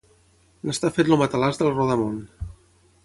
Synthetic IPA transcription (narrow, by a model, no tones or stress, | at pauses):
nəst̪afet̪lumət̪əlazðəlˠrɔðəmon